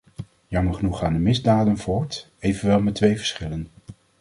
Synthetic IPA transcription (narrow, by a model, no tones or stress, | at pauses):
jɑməɹχənuχaːndəmɪzdaːdənvʊːɹt | ejvənʋɛlˠmɛtʋejvə̥ɹsχɪlən